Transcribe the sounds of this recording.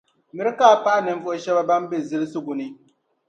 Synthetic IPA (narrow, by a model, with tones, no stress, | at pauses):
mɪ˦ɾkaː˦˨pa˦ʔnɨ˨m̩˦vʊ˦ʔʃɛ˦ba˦ba˦mbɛ˦˨zɪ˦lsu˦ɡʊ˨nɪ˦